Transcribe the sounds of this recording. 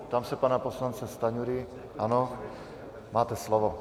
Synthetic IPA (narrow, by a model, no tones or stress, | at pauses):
t̪amsɛpanapɔslant͡sɛst̪aɲuɾi | anɔ | maːt̪ɛslɔʋɔ